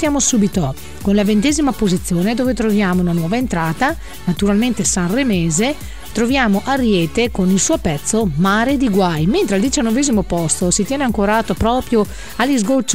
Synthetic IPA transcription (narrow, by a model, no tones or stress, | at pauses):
jaːmosubit̪o | konlavent̪eːzimapozit̪sːjoːned̪oːvet̪ɾovjaːmounanwɔːvaent̪ɾaːt̪a | nat̪uɾalment̪esanremeːze | t̪ɾovjaːmoʔarjɛːt̪ekonilsuːopɛt̪sːomaːɾed̪iɡwajment̪ɾeald̪it͡ʃanːoveːzimopɔst̪osit̪jɛːneaŋkoɾaːt̪opɾɔːpɾjo | alːizɡolt͡ʃ